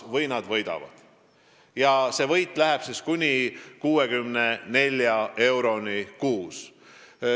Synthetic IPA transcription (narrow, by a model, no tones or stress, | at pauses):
vɤjnɑd̪̥vɤjd̪ɑ̰vɑ̰d̪̥ | jɑse̞vɤjt̪ːˑlæɦɛb̥siskunʲikuːekymnene̞lʲjɑʔe̞wɾo̞nikuːs